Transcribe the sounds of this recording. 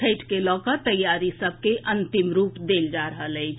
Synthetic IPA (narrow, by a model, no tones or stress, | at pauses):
eʈkelɔːkəɾt̪əjaɾisəb̚ʱkeʔənt̪imɾupd̪eld͡ʒaɾəɦələɪt͡ʃʰ